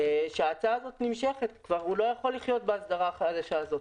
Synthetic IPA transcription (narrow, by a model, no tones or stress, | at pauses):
ʃeaːt͡saːzo̞t̪nimʃe̞χe̞t̪kvaʁulo̞jaχo̞lːiχjo̞t̪̚beasd̪aʁaχad̪aʃaːzo̞t̪